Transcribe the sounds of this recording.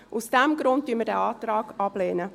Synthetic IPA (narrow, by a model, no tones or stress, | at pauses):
ʔusd̥ɛmɡɾʊnt̚dyənmədɛ̰ːɑːtɾɑːɡ̥ɑb̥leːnə